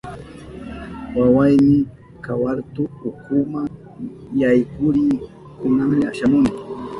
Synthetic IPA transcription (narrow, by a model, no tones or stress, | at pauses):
wawajmɪ | kawaɾt̪ʊːkʊmaŋ | jajkʊɾɪ | kʊnaŋmɪaʃamʊnɪ